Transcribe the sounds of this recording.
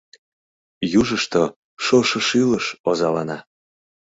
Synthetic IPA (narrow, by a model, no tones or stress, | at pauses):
juʒəʃt̪o | ʃoʃɤʃyləʃozɑlɑnɑ